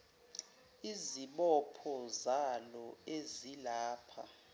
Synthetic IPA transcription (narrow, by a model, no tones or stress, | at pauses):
iziɓɔpʰɔzalɔezilaːpʰa̰